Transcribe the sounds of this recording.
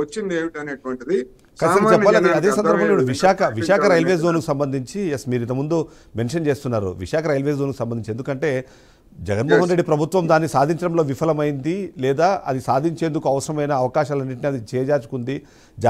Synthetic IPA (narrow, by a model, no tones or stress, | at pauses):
ɐt͡ʃːind̪eːʋiʈɐneːʈʋɐɳʈid̪i | kɐsɐɐt͡ʃɛːaːlad̪ɐd̪eːsɐnd̪ɐɾbɐɐiɽuʋiʂaːkʰɐʋiʃaːkʰɐɾɐjlʋeːzzoːnukusɐmbɐnd̪ʱiɲt͡ʃijesmiːɾuint̪̬ɐmund̪u | me̞nʂɐnt͡ʃe̞ːst̪unːaːɾṵʋiʂaːkʰɐɾɐjlʋeːszonkusɐmbɐnd̪iɲt͡ʃe̞nd̪ukɐɳʈe̞ː | d͡ʒɛɡɐnmɔːɦɐnɾe̞ɖːipɾɐbʱut̪ʋɐmd̪aːnːisaːd̪ʱiɲt͡ʃɐɽɐmloːʋipʰɐlɐmɐjind̪ilɛːd̪aːʔɐ̰d̪isaːd̪ʱiɲt͡ʃe̞ːnd̪ukuɐʋɐsɐɾɐmɐjnɐːʋɐkaːʃaːlɐnːiʈ̬niɐd̪it͡ʃɛːjɐd͡ʒaːt͡ʃu̥kund̪i | d͡ʒ